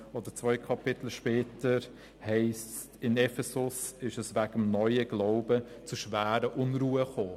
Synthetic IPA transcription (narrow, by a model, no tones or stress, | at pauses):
od̥̪əɾt͡svɔʏkʰɑpɪtl̩ʃpɛːtəɾ | hɛɪs | tɪnɛfɛsʊsɪʃəsvæɡəmnɔʏəɡ̥laʊbə | t͡suʃvæːɾəʔʊnɾuːəχoː